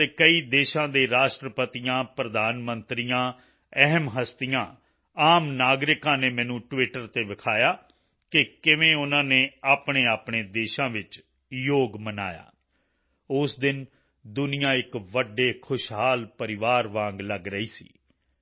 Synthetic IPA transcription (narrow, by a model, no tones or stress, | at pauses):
eːkəiːd̪eːʃãːd̪eːɾaːʃʈɾəpət̪ijãːpɾəd̪aːnmənt̪ɾijãː | ɛɦmɦəst̪ijãː | aːmnaːɡɾɪkãːneːmɛ̃ːnũːʈʋɪːʈəɾt̪eːʋɪkʰaːjaː | kɪkɪʋẽːʊnãːneːaːpɳeːaːpɳeːd̪eːʃãːʋɪt͡ʃ | joːɡməna̰ːja̰ː | ʊsd̪ɪn | d̪ʊnɪjãːɪkʋəɖːeːkʰʊʃɦaːlpəɾɪʋaːɾʋãːŋɡləɡɾəiːsḭː